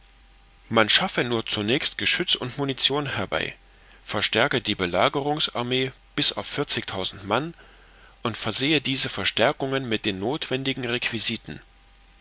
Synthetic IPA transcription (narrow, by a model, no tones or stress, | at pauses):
manʃafənuːɐt͡sunɛːçstɡ̥əʃʏt͡sʊntmunit͡sjoːnhɛɐba̰ɪ | fɛɐʃtɛɐkədiːbəlaːɡəʁ̞ʊŋsa̰ɐmeː | b̥ɪsa̰ʊfɪɐt͡sɪçtʰaʊzn̩tman | ʔʊntfɛɐzeːədiːzəfɛɐʃtɛɐkʊŋənmɪt̚d̥eːnːoːtv̥ɛndɪɡŋ̩ʁekv̥iziːtn̩